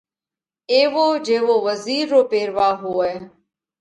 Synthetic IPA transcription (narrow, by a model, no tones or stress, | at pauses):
eːʋoːd͡ʒeːʋoːʋəziːɾːoːpeːɾʋaːɦoːɛː